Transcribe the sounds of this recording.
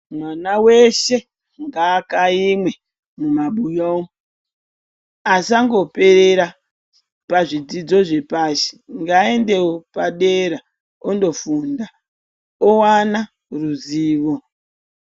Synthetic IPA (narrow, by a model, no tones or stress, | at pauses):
mwanawe̞ʃe̞ | ŋɡaːkaimwe̞ | mumaɓujoo | asaŋɡo̞pe̞ɾeɾa | paʐid͡zid͡zo̞ʐe̞paʃe̥ŋɡae̞nde̞wopaɗeɾa | ondo̞funda | owana | ruziːʋo